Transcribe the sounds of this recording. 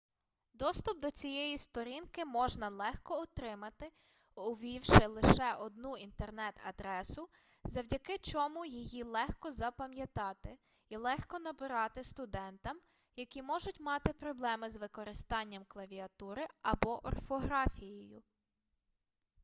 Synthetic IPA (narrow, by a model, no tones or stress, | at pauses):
d̪ɔst̪ʊp̚d̪ɔt͡sʲijɛjist̪ɔɾʲinkɪmɔʒnɐlˠɛxkɔːt̪ɾɪmɐt̪ɪ | ʊʋʲiwʃɪlˠɪʃɛʔɔd̪nuint̪ernɛt̪ɐ̰d̪ɾɛsʊ | zɐwdʲɐkɪt͡ʃɔmujijilˠɛxkɔzɐpɐmjɐt̪ɑt̪ɪ | ilˠɛxkɔnɐbɪɾɑt̪ɪst̪ʊd̪ɛnt̪ɐm | jɐkʲimɔʒʊtʲmɑt̪ɪpɾɔblˠɛmɪzʋɪkɔɾɪst̪ɑnʲːɐmklˠɐʋʲiɐt̪uɾɪɐbɔʔɔ̰rfɔɦɾɑfʲijɛjʊ